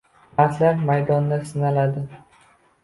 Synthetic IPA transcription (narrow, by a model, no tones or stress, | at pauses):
aɾt̪laɾmajd̪ɒnːasɪnalad̪ɪ